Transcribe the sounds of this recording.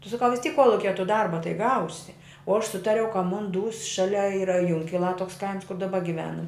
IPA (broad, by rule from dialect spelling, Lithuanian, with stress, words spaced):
tʊ sɐˈkɐʊ ʋʲɪs tʲiːk ˈkuɔlˠʊkʲiɛ tʊ ˈdɐrbɐ tɐɪ ˈɡɐʊsʲɪ oː ɐʃ ˈsʊtɐrʲɛʊ kɐ ˈmʊn ˈduːs ˈʃɑːlʲɛ ˈiːrɐ ˈjʊŋʲkʲɪlˠɑː ˈtoːks ˈkɐɪms kʊr dɐˈbɐ ɡʲɪˈʋʲæːnɐm